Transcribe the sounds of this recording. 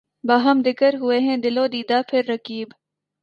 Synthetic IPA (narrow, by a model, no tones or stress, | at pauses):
baːɦəmd̪ɪkəɾɦʊeɦɛ̃d̪ɪlõːd̪iːd̪apʰɪɾːɐkiːb